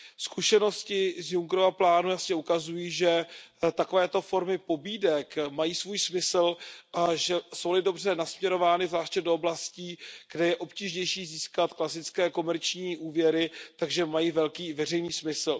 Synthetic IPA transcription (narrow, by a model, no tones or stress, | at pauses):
skuʃɛno̞scɪzjuŋɡɾovaplaːnujasɲɛukazujiːʒɛt̪ako̞vɛːt̪o̞fo̞ɾmɪpo̞biːdɛkmajiːsvuːjsmɪsl̩ʔaʒɛso̞wlɪdo̞br̝ɛnasmɲɛɾo̞vaːnɪvzvlaːʃcɛdooblasciːɡ̥dɛjɛʔo̞pciːʒɲɛjʃiːziːskat̪klasɪt͡skɛːko̞mɛɾt͡ʃɲiːʔuːvjɛɾɪt̪aɡʒɛmajiːvɛlkiːvɛr̝ɛjniːsmɪsl̩